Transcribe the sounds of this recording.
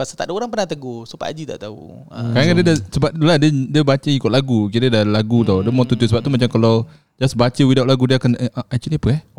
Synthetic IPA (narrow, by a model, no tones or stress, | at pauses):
basat̪a̰ʔdəoɾaŋpərnat̪əɡosupa̰ʔa̰d͡ʒit̪a̰ʔt̪aṵ | akaɾaŋadiədasəbap̚t̪uladədiəbat͡ʃəikʊt̪ʔ̚laɡukiɾədalaɡut̪awdəmɔ̃t̪ut̪usəbap̚t̪umat͡ʃamkalaw | d͡ʒasbat͡ʃəwidawʔlaɡudiəakanəʔaʔat͡ʃiniapəɛh